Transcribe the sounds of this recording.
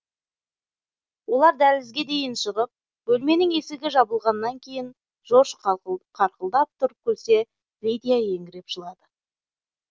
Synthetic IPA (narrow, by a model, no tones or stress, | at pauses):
wo̞lˠɑɾd̪ælɪzɡʲe̞d̪e̞jɪnʃəʁəp̚ | bɵlme̞nɪŋe̞sɪɡʲɪʒɑbəlˠʁɑnːɑŋkʲʰe̞jɪn | ʒ̥o̞ʃqʰɑɾqəlˠd̪ɑp̚t̪ʰʊɾkʲʰɵlse̞ | vʲijd̪ʲijaje̞ŋɡʲɪɾe̞pʒəlˠɑd̪ə